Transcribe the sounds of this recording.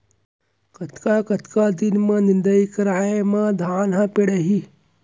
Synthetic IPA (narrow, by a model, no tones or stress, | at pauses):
kɐt̪kakɐt̪kaːd̪inmɐ̃nɪnd̪ɐikɐɾaːemãd̪ʱaːnɦãpeɽɐɦi